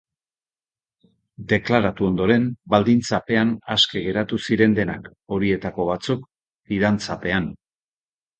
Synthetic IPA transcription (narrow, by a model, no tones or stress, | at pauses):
d̪e̞klaɾat̪uo̞nd̪o̞ɾe̞nbald̪int͡sape̞anaske̞ɣe̞ɾat̪usiɾe̞nd̪e̞nako̞ɾie̞t̪ako̞β̞at͡suk | iðant͡sape̞an